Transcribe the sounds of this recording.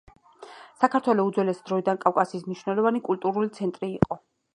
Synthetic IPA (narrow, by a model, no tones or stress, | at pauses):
sakʰaɾt̪ʰwɛlɔud̪zwɛlɛsd̪ɾɔid̪ankʼafkʼasiːsmniʃwnɛlˠɔvanikʼult̪ʼuɾulit̪sʰɛnt̪ʼɾiːqʼɔ